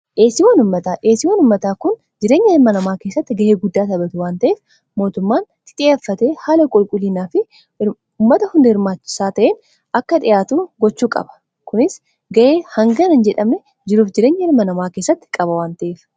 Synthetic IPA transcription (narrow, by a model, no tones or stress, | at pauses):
ʔeːsɪwanʊmːɐt̪aːʔeːsɪwɐnʊmːɐt̪aːkʊn | d͡ʒɪɾe̞ːɲːɐɪɾmɐnɐmaːke̞ːsːɐt̪ːɪɡɐʔeːɡʊd̪ːaːt̪ɐbɐt̪ʊwaːnt̪ɐʔeːf | mo̞ːt̪ʊmːaːnt̪ɪ̥t̪ʼɪeɐfːɐt̪e̞ːhaːlɐkʼʊlkʼʊliːnaːfɪ | ʊmːɐt̪ɐhʊnd̪hɪɾmaːt͡ʃːɪ̥saːt̪ɐʔeːn | ɐkːɐᶑɪjaːt̪uːɡɔt͡ʃːuːkʼɐ̰bɐ̥ | kʊnɪs | ɡɐʔe̞ːhɐŋɡɐnɐnd͡ʒɛᶑɐmɛ | d͡ʒɪɾuːfd͡ʒɪɾe̞ːɲːɛɪɾmɐnɐmaːke̞ːsːɐt̪ːɪ̥kʼɐbɐwaːnt̪ɐʔeːf